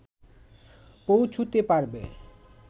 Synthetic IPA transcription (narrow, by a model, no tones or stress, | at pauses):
powt͡ɕʰut̪epaɾbḛ